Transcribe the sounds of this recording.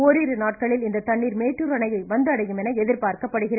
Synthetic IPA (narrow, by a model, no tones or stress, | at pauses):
oːɾiɾɯnaːʈkɐɭɪlɪnd̪ɐt̪ɐɳːiːɾmeːʈːɯɾɐɳɐjɐɪʋɐnd̪ɯɐɽɐjɯmɛnɐɛðɪɾpaːɾkɐpːɐɽɯɣɪrɐ